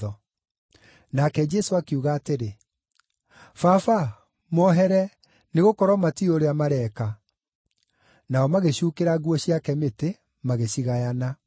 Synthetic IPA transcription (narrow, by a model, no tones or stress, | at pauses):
ɔ | nakɛd͡ʒɛsoakeuɣaːteɾe | fafa | mɔɦɛɾɛ | neɣokɔɾɔmatioɾeamaɾɛka | naɔmaɣeɕukeɾaɣwɔɕiakɛmete | maɣeɕiɣajana